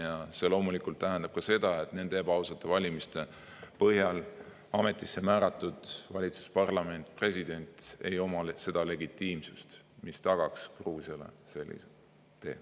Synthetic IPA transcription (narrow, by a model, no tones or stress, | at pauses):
jɑse̞lo̞ːmulikˑult̪ːæɦænd̪̥ɑb̥̚kɑse̞d̪ɑe̞t̪ne̞nd̪eebɑwsɑt̪ːˑevɑlʲimist̪e̞ | pɤhjɑl | ɑme̞t̪ːˑisːe̞mæːɾɑt̪ːˑud̪̥vɑlʲit̪su̥spɑrlɑme̞nt̪ˑpre̞sʲid̪̥e̞nʲt̪e̞jo̞mɑlese̞d̪̥ɑle̞ɡit̪ːˑiːmsust̪ | mist̪ɑɡ̥ɑkskruːsjɑlḛse̞lːḭse | t̪ːe̞̰ː